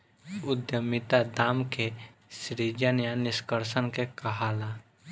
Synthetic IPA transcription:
ʊd̪jəmɪt̪ad̪aːmkesɾid͡ʒənjanɪʃkəɾʃənkekɐɦaːlaː

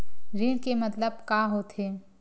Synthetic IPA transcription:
ɾiːɽkemɐt̪ləb̚kaːɦot̪ɦeː

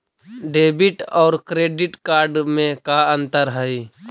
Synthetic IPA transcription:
ɖeːbɪʈɔːɾkɾeːɖɪʈkaːɾɖmẽkaə̃nt̪əɾɦəi

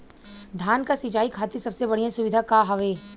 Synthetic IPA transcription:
d̪ʱjaːnkasɪd͡ʒaːikʰaːt̪isɐbsebɐɽ̤ijãsʊʋɪd̪ʱakaɦɐʋeː

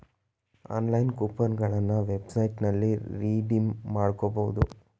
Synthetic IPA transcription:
a̰ːnlɐjnkuːpɐnɡɐɭɐnːɐʋebsɐjʈnɐlːiɾiːɖimːaːɽkobɐwud̪u

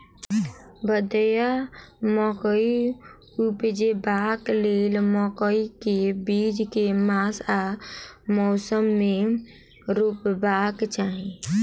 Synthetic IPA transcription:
bəd̪jamɔkəi | upd͡ʒebaklelmɔkəikebid͡ʒkemasa | mɔsəmːe | ɾupbakt͡ʃaɦĩ

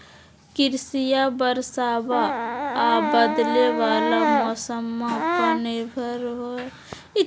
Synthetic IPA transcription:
kiɾsijabəɾsabaː | bəd̪leʋalamɔsəmːapənebʱəɾɦo

